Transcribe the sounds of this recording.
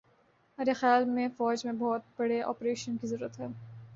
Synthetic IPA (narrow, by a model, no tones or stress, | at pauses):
meːɾexjaːlmẽfɔːd͡ʒmẽbɔːt̪̚bɐɽeʔɔ̰ːpɾeːʃənkizɐɾuːɾət̪ɦɛː